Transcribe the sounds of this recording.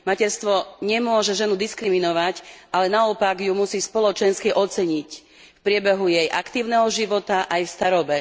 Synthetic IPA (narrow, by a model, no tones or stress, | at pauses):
macɛɾst̪ʋɔɲɛmʊɔʒɛʒɛnud̪iskɾiminɔʋacʔalɛnaɔpaɡjumusiːspɔlɔt͡ʃɛnskiʔɔt͡sɛɲic | fpɾɪɛbɛɦujɛjʔakt̪iːʊnɛɦɔʒiʋɔt̪aʔajfst̪aɾɔbɛ